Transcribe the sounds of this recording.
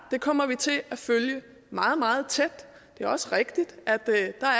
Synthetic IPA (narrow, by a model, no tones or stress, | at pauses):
d̥e̝kʰɒ̽m̰ɐʋit͡sʰe̝æføljə | mɑ̈ːð̞̩ˠmɑ̈ːð̞̩ˠt͡sʰed̥d̥e̝æɐɒ̽səʁeɡ̥d̥id̥ʔæd̥ɑ̈æ